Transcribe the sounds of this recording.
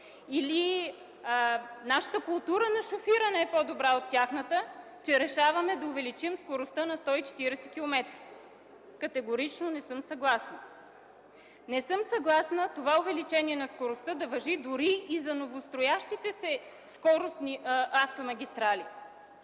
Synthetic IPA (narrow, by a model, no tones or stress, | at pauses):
ili | naʃə̥t̪əkʊlˠt̪uɾənɐʃofiɾɐnɛɛpɔd̪obɾaot̪ːʲjaxnət̪ə | t͡ʃɛɾɛʃavɐmɛd̪ɐʊvɛlit͡ʃimskoɾost̪ənɐst̪ɔit͡ʃɛ̥t̪iɾɛsɛkʲilˠomɛt̪ɾi̥ | kɐt̪ɛɡoɾit͡ʃnonɛsɤmsɐɡlˠasnə | nɛsɤmsɐɡlˠasnət̪ovaʊvɛlit͡ʃɛniɛnɐskoɾost̪əd̪ɐvɐʒid̪ʊɾiːzɐnovost̪ɾojaʃt̪it̪ɛsɛ | skɔɾost̪niʔaft̪omɐɡʲist̪ɾali